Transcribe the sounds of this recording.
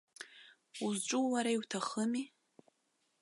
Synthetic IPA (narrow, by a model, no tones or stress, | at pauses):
uzʈ͡ʂʷʼuwaɾaiwtʰaχəmi